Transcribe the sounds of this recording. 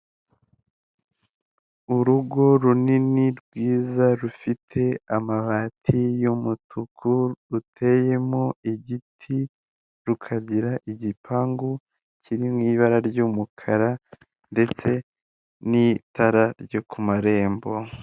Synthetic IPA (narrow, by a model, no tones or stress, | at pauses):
uɾuɡo̞ɾuniniɾɡwiːzaɾufitʰe̞amaβaːtʰijumutʰukʰuɾutʰe̞je̞moiɟitʰi | ɾukʰaɟiɾaʔiɟipʰaːŋɡo | cʰiɾimŋiːβaɾaɾɟumukʰaɾa | nde̞t͡se̞ | nitaɾaɾjokʰumaɾe̞ːmbo̞